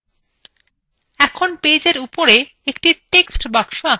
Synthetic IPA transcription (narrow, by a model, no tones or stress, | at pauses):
ɛkʰonpejd͡ʑeɾupoɾe | ekʈiʈeksʈbakʃoa